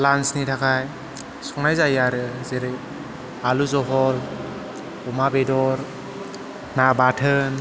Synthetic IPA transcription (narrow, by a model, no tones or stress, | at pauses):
lansnitʰakʰaj | sɔŋnajzajaɾɯzeɾɯj | aluzɔɦɔl | ɔmabedɔɾ | nabatʰɯn